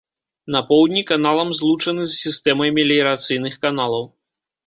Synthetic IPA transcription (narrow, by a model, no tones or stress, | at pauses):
nɐpɔwd̪ʲnʲikanalˠɐmzlˠut͡ʂɐnɨzsʲist̪ɛmɐjmʲɛlʲijɾat̪sɨjnɨxkanalˠɐw